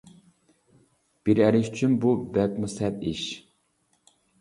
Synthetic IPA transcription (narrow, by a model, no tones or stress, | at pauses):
b̥iɾɛɾɪʃy̥t͡ʃʰynbubɛk̚musɛt̪iʃ